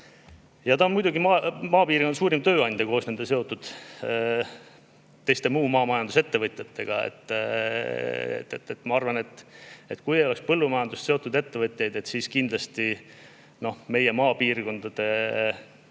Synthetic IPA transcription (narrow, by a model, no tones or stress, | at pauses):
jɑt̪ɑonmujd̪uɡimɑmɑːpiːrkond̪ɑsuːɾimt̪ø̞ːɑnʲd̪̥ʲɑko̞ːsne̞nd̪̥eseo̞t̪ːud̪̥ | t̪ːe̞jst̪e̞muːmɑːmɑjɑnd̪use̞t̪ːe̞vɤt̪ʲˑjɑt̪ːe̞ɡ̥ɑ̰ḛt̪ːˑ | ḛt̪ːet̪ːet̪ːˑmɑɑrvɑne̞t̪ːˑe̞t̪kujejo̞le̞kspɤlːumɑjɑnd̪ust̪seo̞t̪ːˑud̪e̞t̪ːe̞vɤt̪ʲˑjɑjd̪̥e̞t̪ːˑsiːskind̪̥lɑst̪i | no̞me̞je̞mɑːpiːrko̞nd̪̥ɑd̪̥e̞